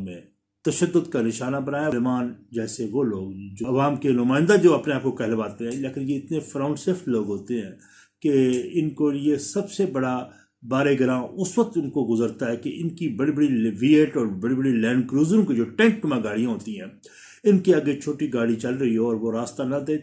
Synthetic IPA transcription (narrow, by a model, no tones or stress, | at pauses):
mẽ | t̪ɐʃəd̪ːʊd̪kanɪʃaːnabɐnaːjamaːnd͡ʒɛːseʋoːloːɡ̚d͡ʒoɐʋaːmkenʊmaːɪ̃nd̪ad͡ʒoːɐpneaːp̚kokɛɦlʋaːt̪eɦɛ̃leːkɪnjeɪt̪nefɾaːʊ̃ɳɖseːfʈloːɡɦoːt̪eɦɛ̃ː | keɪnkojesɐbsebɐɽa | baːɾeɡɐɾãʊsʋək̚t̪ʊnkoɡʊzəɾt̪aɦɛkeʔɪnkibɐɽibəɽiʋiːeʈɔːɾbɐɽibəɽilɛ̃ːɳɖkɾuːzɾõkid͡ʒoːʈɛ̃ŋk̚mẽɡaːɽijãɦoːt̪iɦɛ̃ː | ɪnkiɐɡet͡ʃʰoːʈiɡaːɽit͡ʃɐlɾɐɦiɦoɔːɾʋoɾaːst̪anɐd̪eː